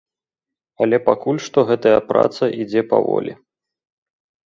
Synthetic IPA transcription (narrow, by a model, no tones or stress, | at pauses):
ɐlʲɛpakulʲʂt̪ɔɣɛt̪ɐjɐpɾa̰t̪sɐʔid͡zʲɛpa̰vɔ̰lʲi